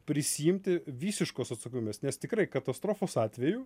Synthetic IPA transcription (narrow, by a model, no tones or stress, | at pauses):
pʲɾʲɪsʲɪjɪmʲt̪ʲɪʋʲiːsʲɪʃkoːsɐt̪sɐkʲomʲeːsnʲɛst̪ʲɪkɾɐɪkɐt̪ɐst̪ɾoːfoːsɑːt̪ʲʋʲɛjuː